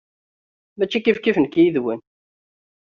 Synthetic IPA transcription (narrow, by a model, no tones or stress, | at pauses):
mæt͡ʃːikifkivənkjiðwən